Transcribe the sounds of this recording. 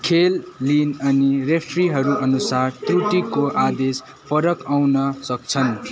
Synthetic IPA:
kʰelːinʌnirepʰriɦʌɾuʔʌnusart̪ruʈikoʔad̪es | pʰʌɾʌkawnʌsʌk̚t͡sʰʌn

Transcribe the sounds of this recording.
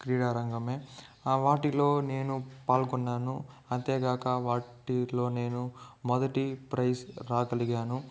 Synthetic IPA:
kɾiːɽaːɾɐŋɡɐmeː | ʋaːʈiloːne̞ːnupaːlkunːaːnu | ɐnt̪eːɡaːkɐʋaːʈilo̞ːne̞ːnumɔd̪ɐʈipɾɐjsɾaːkɐliɡaːnu

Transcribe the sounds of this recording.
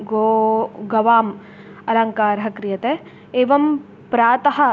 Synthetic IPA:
ɡoːɡɐʋaːm | ɐlɐŋkaːɾɐɦɐ̆kɾijɐt̪e | eːʋɐm | pɾaːt̪ɐɦɐ̆

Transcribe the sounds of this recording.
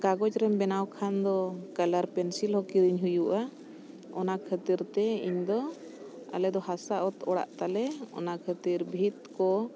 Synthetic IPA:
kaɡɔd͡ʒɾɛmbɛnawkʰand̪ɔkalaɾpɛnsilhɔkiɾiɲɦujuʔa | ɔnakʰət̪iɾt̪ɛḭɲd̪ɔ | a̰lɛd̪ɔhasaʔɔt̪ɔɽa̰ʔt̪alɛɔ̰nakʰət̪iɾbʱit̪̚kɔ

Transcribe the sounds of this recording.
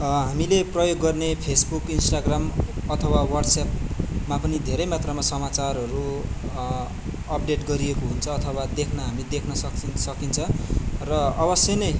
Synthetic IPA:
ɦamileprʌjoɡːʌrnepʰesbukinsʈaɡramʌt̪ʰʌwawʌrɖsapmapʌnid̪ʱeɾʌjmat̪rʌmasʌmat͡sarɦʌɾu | ʌp̚ɖeʈɡʌɾiekoɦunt͡sʰʌːt̪ʰʌwad̪ekʰnʌɦamid̪ekʰnʌsʌsʌkint͡sʰʌrʌʌbʌsjʌnʌj

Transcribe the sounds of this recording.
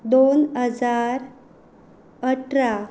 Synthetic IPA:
d̪onɦəd͡zaɾ | əʈɾa

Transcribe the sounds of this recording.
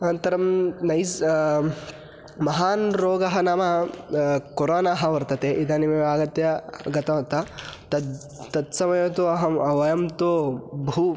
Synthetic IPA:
ɐnt̪ɐɾɐmnɐjs | mɐɦaːnɾoːɡɐɦɐnaːmɐ | koɾoːnaːɦɐʋɐɾt̪ɐt̪eːʔid̪ʱɐnimɐaːɡɐt̪jɐɡɐt̪ɐʋɐɾt̪ɐt̪ɐ | t̪ɐt̪sɐmɐjoːt̪oɐɦɐmɐʋɐjɐmt̪oːbʱuː

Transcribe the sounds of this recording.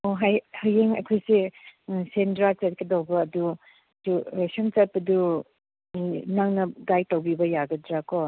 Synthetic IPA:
oɦajhajeŋɐ̰kʰojsesendɾat͡ʃat̚kedawbɐːdu | dusemt͡ʃat̚pɐdu | inaŋnɐɡajtawbibɐjaɡɐdɾako

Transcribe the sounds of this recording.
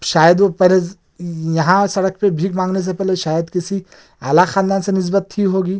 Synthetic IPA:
ʃaːjəd̪opɐɦle | jɐɦãsɐɽəkpebʱiːkmãːŋɡnes̬epɛɦleʃaːjəd̪kɪsi | a̰ːlaxaːnd̪aːnsenɪs̬bət̪ʰːiɦoːɡiː

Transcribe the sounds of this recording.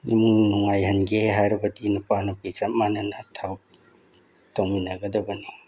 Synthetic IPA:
ḭmunuŋajɦɐnɡeɦaɾbadinupanapisamananatʰaw | tawminaɡadabani

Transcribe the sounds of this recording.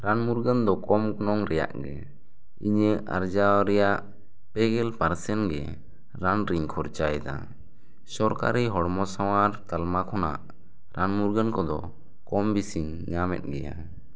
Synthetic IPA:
ɾanmuɾɡənd̪ɔkɔmɡɔnɔŋɾɛja̰ʔɡɛ | iɲəʔa̰ɾd͡ʒaɾɛjaʔ | pɛɡɛlpaɾsɛnɡɛ̰ | ɾanɾiɲkʰɔɾt͡ʃajd̪a̰ | sɔɾka̰ɾiɦɔɽmɔsawaɾt̪almakʰɔna̰ʔ | ɾanmuɾɡənkɔd̪ɔ | kɔmbisiɲ | ɲamɛ̰t̪̚ˀɡɛja̰

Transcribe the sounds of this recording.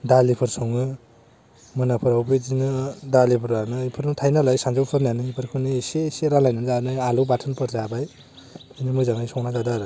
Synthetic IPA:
dalipʰɯɾsɔŋɯ | mɯnapʰɯɾawbɯd͡ʒinɯdalipʰɯɾanɯipʰɯɾɯtʰajnalajsanzawpʰɯɾnanɯpʰɯɾkʰɯniseseɾanlajnɯnzanɯjalɯwbatʰɯnpʰɯɾzabaj | ɯjnɯmɯjzaŋajsɔŋnazadaɾɯ

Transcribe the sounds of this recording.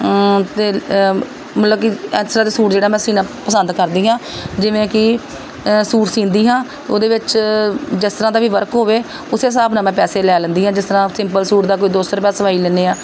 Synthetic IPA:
t̪eː | mət̪ləb̚kɪɛsəɾãːd̪eːsuːʈd͡ʒeːɽaːmɛ̃ːsiːnaːpəsə̃nd̪kəɾd̪iːɦãːd͡ʒɪʋẽːkɪ | suːʈsĩːnd̪iːɦãːt̪eoːd̪eːʋɪt͡ʃd͡ʒɪst̪əɾãːd̪aːʋiːʋəɾkɦoːʋeː | ʊseːs̬aːbnãːmɛ̃ːpɛːseːlɛːlənd̪iːɦãːd͡ʒɪst̪əɾãːsɪ̃mpəlsuːʈd̪aːk̬oːid̪oːst̪əɾpɛːsəʋaːiːlɛːneːãː

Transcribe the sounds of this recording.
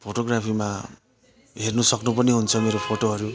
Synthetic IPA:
pʰoʈoɡɾapʰima | ɦeɾnusʌknupʌniɦunt͡sʰʌmeɾopʰoʈoɦʌɾu

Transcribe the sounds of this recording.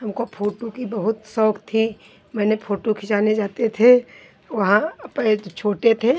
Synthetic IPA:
ɦɐmkopʰoːʈokibɐɦʊt̪sɔːkt̪ʰi | mɛ̃ːnepʰoːʈokʰɪʃaːned͡ʒaːt̪et̪ʰe | ʋɐɦãɐpet͡ʃʰoːʈet̪ʰeː

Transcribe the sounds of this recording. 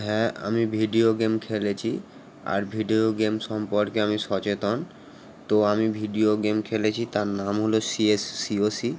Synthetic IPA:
ɦɛ̃a̰mibʱiɖioɡemkʰelet͡ɕʰi | a̰ɾbʱiɖioɡemʃɔmpoɾkeamiʃɔt͡ɕet̪on | t̪oamibʱiɖioɡemkʰelet͡ɕʰit̪aɾnamɦolosiesːiosi

